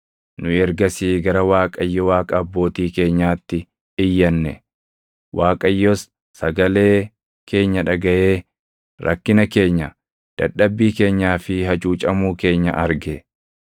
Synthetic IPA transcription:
nʊɛɾɡɐsiːɡɐɾɐwaːkʼɐjːɔwaːkʼɐːbːo̞ːt̪iːke̞ːɲːaːt̪ːɪ | ɪjːɐnːɛ̰ | wʔaːkʼɐjːɔsː | ɐɡɐle̞ː | kʰe̞ːɲːɐᶑɐɡɐʔe̞ː | ɾʔɐ̰kːɪnɐke̞ːɲːɐ | d̪̥ɐ̰ᶑːɐbːiːke̞ːɲːaːfɪɦɐt͡ʃʼuːt͡ʃʼɐmuːke̞ːɲːɐʔɐɾɡɛ

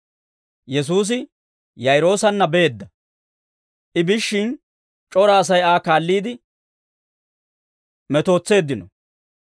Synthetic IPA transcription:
jɛs̬uːs̬ɪ | jɐjɾo̞ːsɐnːɐbeːd̪ːɐ | ʔɪbɪʃːɪn | t͡ʃʼɔɾɐːs̬ɐjaːkaːlːiːd̪ɪ | mɛt̪o̞ːt͡sːe̞ːd̪ːɪnɔ

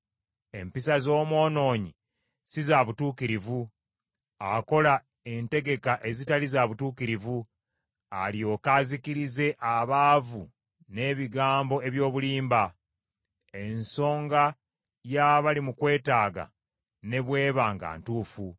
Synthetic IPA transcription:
e̞mpisazo̞ːmwo̞ːno̞ːɲi | sizaβutuːkiɾivu | ako̞la | e̞nte̞ɡe̞kaʔe̞zitalizaβutuːkiɾivu | aljo̞ːkaːzikiɾize̞ʔaβaːvu | ne̞βiɡaːmbo̞e̞βjo̞ːβuliːmba | e̞nso̞ːŋɡa | jaβalimukwe̞ːtaːɡa̰ | ne̞βwe̞ːβaːŋɡa̰ːntuːfu

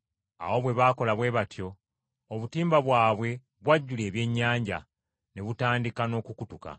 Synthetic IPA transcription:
a̰wo̞βwe̞βaːko̞laβwe̞ːβatjo̞ | oβutiːmbaβwaːβwe̞ | βwaɟːule̞ːβje̞ɲːaːɲɟa̰ | ne̞βutaːndikano̞ːkukutuka̰

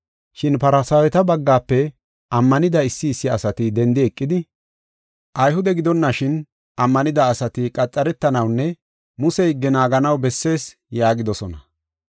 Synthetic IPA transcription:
ʃɪnpɐɾɐsɐwɛt̪ɐbɐɡːaːpːɛ | ʔɐmːɐnɪd̪ɐɪsːɪːsːɪɐsɐt̪ɪd̪ɛnd̪ɪɛkʼːɪd̪ɪ | ʔɐjhʊd̪ɛɡɪd̪ɔnːɐʃɪn | ʔɐmːɐnɪd̪ɐːsɐt̪ɪkʼɐt͡sʼːɐɾɛt̪ːɐnɐwnːɛ | mʊsɛjɡːɛnaːɡɐnɐwbɛsːe̞ːs | jaːɡɪd̪ɔsɔnɐ

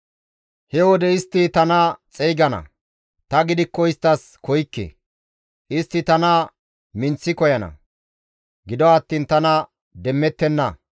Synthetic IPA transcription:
hɛwɔd̪ɛɪst̪ːɪt̪ɐnɐt͡sʼɛjɡɐnɐ̰ | t̪ɐɡɪd̪ɪkːɔɪst̪ːɐs | kɔjkːḛ | ʔɪst̪ːɪt̪ɐnɐ | mɪnt͡sːɪkɔjɐnɐ̰ | ɡɪd̪ɔɐt̪ːiːnt̪ɐnɐ | d̪ɛmːɛt̪ːɛnːɐ̰

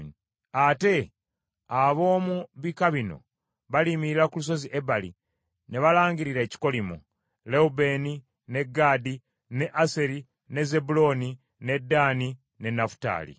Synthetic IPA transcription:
ate̞ | aβo̞ːmuβikaβino̞̰ | βalimiɾiɾakulus̬o̞ziʔebalḭ | ne̞βalaːŋɡiɾiɾe̞ːci̥ko̞limu | le̞ube̞ni | ne̞ɡaːdi | ne̞ʔase̞ɾi | ne̞ze̞bulo̞ːni | ne̞dːaːni | ne̞nafu̥ta̰ːlḭ

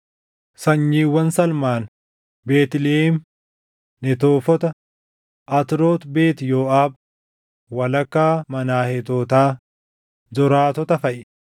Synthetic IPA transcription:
sɐɲːiːwːɐnsɐlmaːn | beːt̪ɪleɪm | nɛt̪oːfɔt̪ɐ | ʔɐt̪ɪɾoːt̪be̞ːt̪joːʔaːb̚ | wɐlɐkːaːmɐnaːhɛt̪oːt̪aː | zɔɾaːt̪ɔt̪ɐfɐʔɪ

